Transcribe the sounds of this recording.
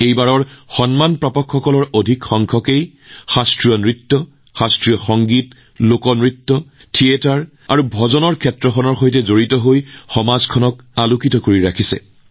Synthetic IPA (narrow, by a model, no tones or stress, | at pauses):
ejbaɹɔɹxɔnmanpɹɔpɔkʰxɔkɔlɔɹodʱikxɔŋkʰɔkej | xastɹijɔnɹitːɔ | xastɹijɔxɔŋɡit | lokɔnɹitːɔ | tʰietaɹ | a̰ɹubʱɔzɔnɔɹkʰɛtɹɔxʰɔnɔɹxojtɛzoɹitɔɦojxɔmazkʰɔnɔk | alukitɔkoɹiɹakʰisɛ̰